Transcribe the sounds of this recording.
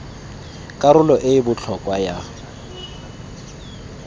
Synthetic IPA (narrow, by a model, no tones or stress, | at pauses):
kʼaɾʊlɔʔɪbʊt͡ɬʰɔkʼwaja